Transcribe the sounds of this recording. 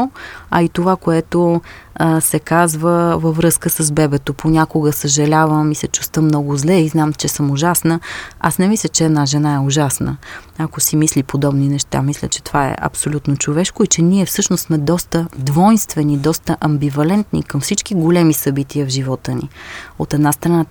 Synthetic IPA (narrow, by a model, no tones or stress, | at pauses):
ɐit̪ovakoɛt̪o | sɛkazvəvəvɾɤskəsəzbɛbɛt̪opʰonʲakoɡəsəʒɐlʲavəmisɛt͡ʃu̥st̪əmnɔɡozlɛiznamt͡ʃɛsəmʊʒasnəa̰snɛmislʲət͡ʃɛːd̪naʒɛnaɛʊʒasnə̰akosimislipod̪ɔbninɛʃt̪a̰mislʲə̰t͡ʃɛ̥t̪ovaɛ̰ʔɐ̰psolʲut̪not͡ʃovɛʃkʊit͡ʃɛniɛfsɤʃnossmɛd̪ɔst̪əd̪vɔjnst̪vɛnid̪ɔst̪əʔɐmbivɐlɛnt̪nḭkɐmfsit͡ʃk̟iɡolʲɛmisɐbit̪iəvʒivɔt̪ənḭot̪ɛd̪nast̪ɾɐna